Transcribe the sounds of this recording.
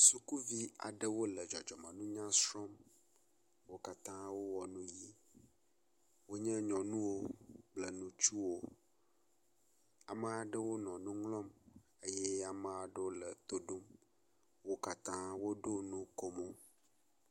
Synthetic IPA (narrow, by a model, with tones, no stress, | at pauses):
su˨ku˦vi˦a̰˨ɖə˦wo˦lə˨d͡ʒɔ˨d͡ʒɔ˨mã˨nũ˦ɲã˦sɾɔ˦m | wo˦ka˦t̪ã˦wo˦wɔ˨nũ˦ji˦ | wo˦ɲɛ̃˦ɲɔ̃˨nũ˦wo˦blə˨nũ˦t͡ʃu˦wo˦ | a˨mə˦a˨ɖə˦wo˦nɔ̃˨nũ˦ŋlɔ̃˦m | e˦jɛ˦a˨mə̃˨a˨ɖə˦wo˦lə˨t̪o˦ɖo˦m | wo˦ka˦t̪ã˦wo˦ɖo˦nũ˦ko˦mo˦